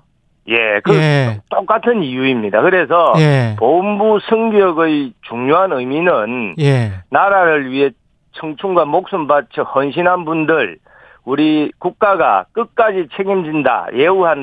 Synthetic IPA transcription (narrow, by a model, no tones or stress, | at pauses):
jekɯt͈ok͈atʰɯnijuimɲidakɯɾe̞s̬ʰʌjpombusʰɯŋɡʌɡɯjt͡ɕuŋɲoɦanɯjminɯnjːaɾaɾɯɭɥiɦe̞ | t͡ɕʰʌŋt͡ɕʰuŋɡwamok̚s͈unbat͡ɕʰʌhʌnɕ̬ʰinɦanbundɯɭ | uɾikuk̚k͈aɡa̰k͈ɯk̚k͈ad͡ʑit͡ɕʰeɡimd͡ʑinda̰je̞uɦan